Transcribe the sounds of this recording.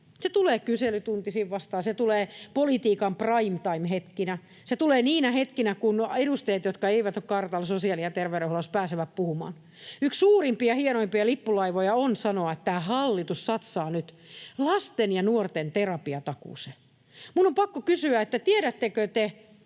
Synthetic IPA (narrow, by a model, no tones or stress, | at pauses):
set̪uleːkyselyt̪unt̪isiːʋʋɑst̪ɑːnset̪uleːpolit̪iːkɑmprɑimt̪ɑimhet̪kinæ | set̪uleːniːnæhet̪kinækunedust̪eːt̪jot̪kɑeiʋæt̪okkɑrt̪ɑlsosiɑlijɑt̪erʋeɾeholospæːseʋæppuhumɑ̰ːn | ykssuːrimpiɑhienoimpiɑlipːulɑiʋojɑonsɑnoɑet̪t̪æːhɑlːit̪ussɑt̪sɑːnyt̪ | lɑst̪enjɑnuort̪ent̪erɑpiɑt̪ɑkṵˑse | munːompɑkːokysyæet̪ːæt̪ieɾæt̪ːekøt̪e